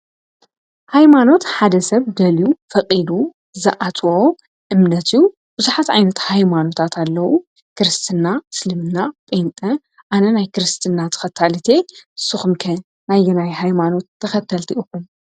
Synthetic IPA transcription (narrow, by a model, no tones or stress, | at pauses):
hajmano̞t̪ħad̪ɐsɐβd̪ɐljufɐkʼid̪u | zɐ̰ʔat̪ʰo | ʔɨmnɐt̪ɨjːu | b̥ɨzuħat̪ʕa̰jnɐt̪hajmano̞t̪ʰat̪ʰalːɐwu | kɨɾɨst̪ʰɨnːaslɨmɨnːapʼent̪ʼɐ | ʔanɐnajkɨɾɨst̪ʰɨnːat̪ʰɨ̥xɐt̪ʰːalɨt̪ʰe̞ɨsːɨxumkʰɐn | najːɛnajɦajmano̞t̪ʰːɐxɐt̪ʰːɐlt̪ʰiʔɨxum